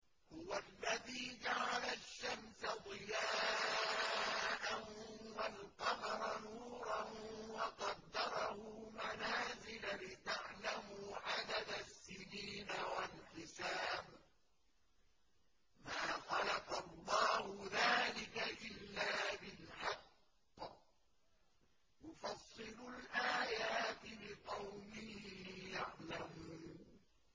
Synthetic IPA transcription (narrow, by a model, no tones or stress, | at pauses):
hʊwalːaðiːd͡ʒaʕalaʃːamsad̪ˤɨjaː | ʔahwalqɑmɑɾˤɑnuːɾˤɑnwɑqɑd̪ːɑɾˤɑhʊmanaːzɪlalɪt̪aʕlamuːʕad̪ad̪asːɪniːnawalħɪsaːb | maːxɑlɑqɑlˤːɑːhʊðaːlɪkaʔɪlːaːbɪlħɑqː | jʊfɑsˤːɨlʊlʔaːjaːt̪ɪbɪqɑwmɪhiijaʕlamuːn